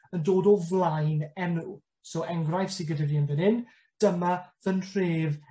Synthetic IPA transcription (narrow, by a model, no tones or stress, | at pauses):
əndoːdɔvlˠajnɛnu | soʔɛŋɡrajfsɪɡədaviːənvənɪn | d̥əmavənr̥eːv